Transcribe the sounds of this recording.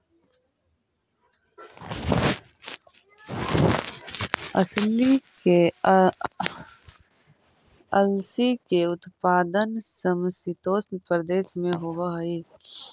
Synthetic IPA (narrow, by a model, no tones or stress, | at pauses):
əslike | əlsikeʊt̪paːd̪ənsəmsit̪oːsnpəɾd̪eːʃmẽɦoaɦiː